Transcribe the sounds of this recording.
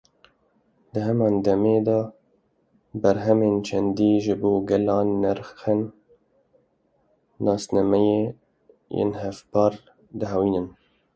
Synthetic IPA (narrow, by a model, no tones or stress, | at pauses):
d̪ɨɦɛmɑːnd̪ɛmeːd̪ɑː | bæɾɦɛmeːnt͡ʃʰɛnd̪iːʒɨboːɡɛlɑːnːɛɾxen | ɑːsnɑmɛjeː | jḛːnɦɛfpɑːɾ | d̪ɨɦɛwiːnɨn